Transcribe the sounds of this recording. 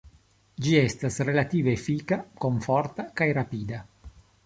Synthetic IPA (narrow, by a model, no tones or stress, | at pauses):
d͡ʒiest̪asɾelat̪iːvefikakoɱfoɾt̪akajɾapiːd̪a